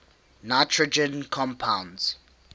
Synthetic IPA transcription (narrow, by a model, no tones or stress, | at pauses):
naɪtʰɹəd͡ʒə̃nkʰɔ̃mpʰãʊ̃ndz̥